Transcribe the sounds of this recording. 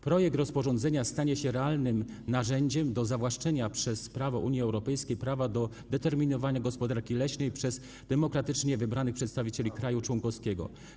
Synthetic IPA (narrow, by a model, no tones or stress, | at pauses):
pɾɔjɛk̚t̪ɾɔspɔʐɔnd̪zɛɲast̪aɲɛɕɛɾɛalnɘm | naʐɛɲd͡ʑɛmd̪ɔzavwaʂt͡ʂɛɲapʂɛspɾavɔʔuɲjiɛwɾɔpɛjskʲejpɾavad̪ɔ | d̪ɛt̪ɛɾmʲinɔvaɲaɡɔspɔd̪aɾkʲilɛɕnɛjpʂɛz | d̪̥ɛmɔkɾat̪ɘt͡ʂɲɛvɘbɾanɘxpʂɛt̪st̪avʲit͡ɕelʲikɾajut͡ʂwɔŋkɔfskʲɛɡɔ̰